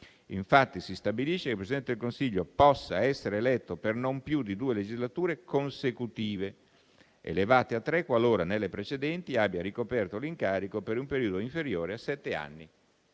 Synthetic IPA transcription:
iɱfat̪ːisist̪abiliʃːekepɾesid̪ɛnt̪ed̪elkonsiʎːopɔsːa̰ɛsːeɾeːlɛt̪ːopernompjud̪id̪uːeled͡ʒizlat̪uːɾekonsekut̪iːve | ḛlevaːt̪eat̪ːɾɛkːwaloːɾanelːepɾet͡ʃed̪ɛnt̪iabːjaɾikopɛrt̪oliŋkaːɾikopeɾumpeɾiːod̪oiɱfeɾjoːɾeasɛt̪ːea̰nːi

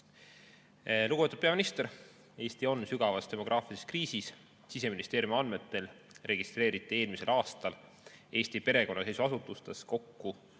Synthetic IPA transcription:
luɡ̥ube̞t̪ud̥̪peɑminist̪e̞ɾ | e̞ːst̪io̞nsyɡ̥ɑvɑst̪e̞mo̞ɡ̥rʔɑːfiise̥skriːsis | sise̞minist̪e̞ːɾjumɑnme̞t̪ːˑe̞l | re̞ɡ̥ist̪ɾe̞ːɾit̪ːˑie̞ːlmise̞lɑːst̪ɑl | e̞ːst̪ipe̞ɾe̞ko̞nːɑse̞jsuɑsut̪ːˑust̪e̞sko̞kːu

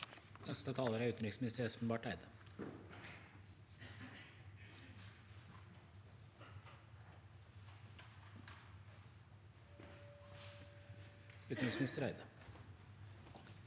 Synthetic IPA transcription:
nɛst̪ət̪ʰɑːləɾæɾʉːt̪n̩ɾɪksmɪnɪst̪əɾɛspn̩bɑːʈæɪd̪ə | ʉːt̪nɾɪksmɪnɪst̪əɾæɪd̪ə

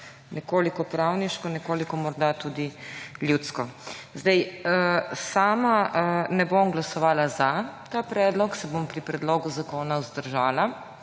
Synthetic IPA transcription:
nɛkoːlikɔpɾawniʃkɔnɛkoːlikɔmɔɾd̪at̪ud̪iljut̪skɔzd̪ɛjəsaːmanɛbomɡlasɔʋaːlazat̪aːpɾɛːd̪lɔksɛbompɾipɾɛd̪loːɡuzakoːnawzd̪əɾʒaːla

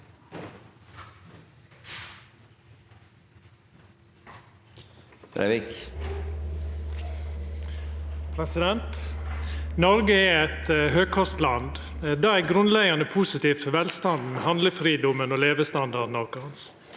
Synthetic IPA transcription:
ɾḛʋɪk | pʰɾɛsɪd̪ɛnt̪ | nɔɾɡəɛɛt̪ɦøːɡ̚kʰɔst̪lɑnd̪ | d̪ɑːæɡɾʉnlɛɡɑnəpʰuːsɪt̪iːfʋɛlst̪ɑnd̪mehɑnd̪ləfɾiːd̪ʊmənoːleːʋəst̪ɑnd̪ɑdnɔɾkəɑns

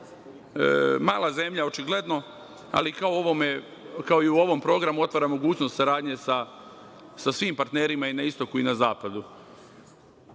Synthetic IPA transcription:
maːlˠaze̞mʎao̞t͡ʃiɡle̞d̪no̞ | a̰likaooʋome | kao̞iuo̞ʋo̞mpɾo̞ɡɾamuo̞t̪ʋaɾamo̞ɡuːt͡ɕnost̪saɾaːd̪ɲe̞sa | sasʋiːmpaɾt̪neːɾimainaist̪o̞kuinazaːpad̪u

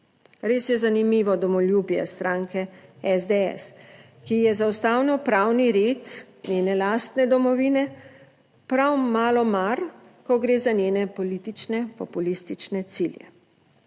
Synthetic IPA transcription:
ɾeːsjɛzanimiːʋɔd̪ɔmɔljubijɛ̰st̪ɾaːŋkɛɛzd̪eɛ̰s | kijɛzawst̪aːwnɔpɾaːwniɾeːt̪ | nʲjeːnɛlaːst̪nɛd̪ɔmɔʋiːnɛ | pɾawmaːlɔmaɾ | kɔɡɾeːzanjeːnɛpɔlit̪it͡ʃnɛpɔpulist̪it͡ʃnɛt̪siljɛ̰

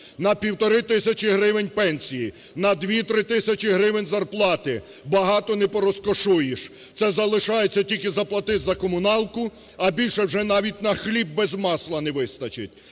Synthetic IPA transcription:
nɐpʲiwt̪ɔɾɪt̪ɪsʲɐt͡ʃɪɦɾɪʋenʲpɛnʲsʲiji | nɐd̪ʋʲit̪ɾɪt̪ɪsʲɐt͡ʃɪɦɾɪʋenʲzɐrplˠɑt̪ɪ | bɐɦɑt̪ɔnɛpɔɾɔskɔʃujɪʃ | t̪sɛzɐlˠɪʃɑjet͡sʲːɐtʲilʲkɪzɐplˠɐt̪ɪt̪zɐkɔmʊnɑlˠkʊ | ɐbʲilʲʃɛwʒɛnɑʋʲitʲnɐxlʲib̚ːɛzmɑslˠɐnɛʋɪst̪ɐt͡ʃɪtʲ

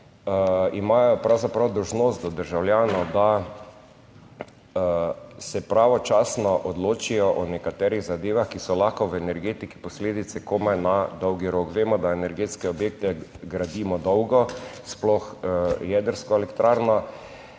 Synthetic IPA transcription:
imaːjɔpɾawzapɾawd̪ɔwʒnoːst̪̚d̪ɔd̪əɾʒawljaːnɔd̪a | sɛpɾaːʋɔt͡ʃasnɔʔɔd̪loːt͡ʃijɔʔɔnɛkat̪ɛːɾiɣzad̪eːʋaxkisɔlaxkɔʋɛnɛɾɡeːt̪iki̥pɔsleːd̪it̪sɛkomanad̪ɔwɡiɾokʋeːmɔd̪aenɛɾɡeːt̪skɛɔbjeːk̚t̪ɛɡɾad̪iːmɔd̪ɔwɡɔsplɔxjɛd̪əɾskɔɛlɛkt̪ɾaːɾnɔ

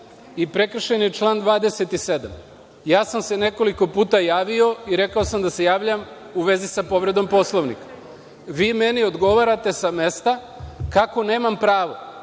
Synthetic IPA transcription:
ipɾe̞kr̩ʃenjet͡ʃlˠaːnd̪ʋaːd̪eset̪ise̞d̪am | jaːsamse̞ne̞ko̞liko̞puːt̪ajaːʋio̞iɾe̞kaosamd̪ase̞jaːʋʎam | uʋe̞zisapo̞ʋɾe̞d̪o̞mpo̞slˠoʋnḭka | ʋiːme̞nio̞d̪ɡo̞ʋaːɾat̪e̞same̞st̪a | kako̞ne̞ːmampɾaːʋo̞

